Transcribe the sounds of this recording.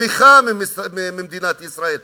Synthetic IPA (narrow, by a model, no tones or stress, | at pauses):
ixamɪsmmɪmd̪iːnaːt̪ʔɪsɾaʔiːl